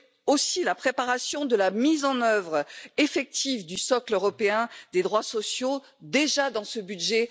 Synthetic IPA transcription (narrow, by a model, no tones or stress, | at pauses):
osilapχepaʁasjɔ̃d̪əlamizɑ̃nœvʁefɛk̚t̪ivd̪ysɔkløʁɔpeɛ̃d̪ed̪ʁwasɔsjo | d̪eʒad̪ɑ̃səbyd̪ʒɛ